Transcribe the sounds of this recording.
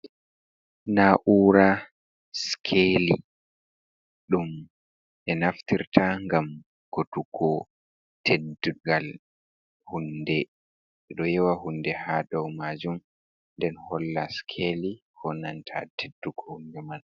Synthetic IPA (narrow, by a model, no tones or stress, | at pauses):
naʔuːɾa | skʰeli | ɗum | ɛnaftiɾtaŋɡam | kotukʰɔ | tʰeduɡal | hundɛ | ɛɗɔjɛwahundɛhaːdɔwmad͡ʒum | ndɛnhɔlːaskʰeli | kʰɔnantʰa̰tʰedːukʰɔhundɛmal